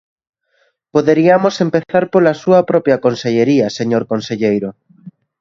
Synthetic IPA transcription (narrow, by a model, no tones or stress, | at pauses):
poðeɾiɐmosempeθaɾpolɐsuɐpɾɔpjɐkonseʎeɾiɐseɲoɾkonseʎejɾo